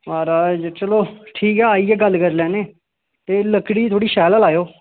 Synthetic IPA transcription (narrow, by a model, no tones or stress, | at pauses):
maːɾaːd͡ʒt͡ʃəloːʈʰiːkɦɛːaːiɛːɡəlːkəɾlɛːneː | t̪eːləkːɽiːt̪ʰoːɽiːʃɛːləlaːjoː